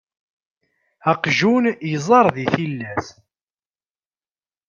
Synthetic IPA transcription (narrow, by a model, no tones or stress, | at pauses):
ɑqʒunjəzˤɑɾˤðiθilːæs